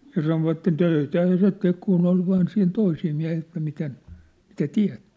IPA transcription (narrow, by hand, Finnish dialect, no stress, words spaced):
jɑ sɑnoʋɑtːen tøitæhæ se tek kunː ol ʋɑːn siːn toisiː miæ̝hiː etːæ miten mitæ tiæ̝t